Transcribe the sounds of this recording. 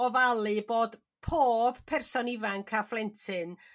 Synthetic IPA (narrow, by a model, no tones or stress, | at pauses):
ɔvalˠɨboːd̥ | pʰoːb̥pʰɛrsɔnɪvaŋkʰaflˠɛntʰɨn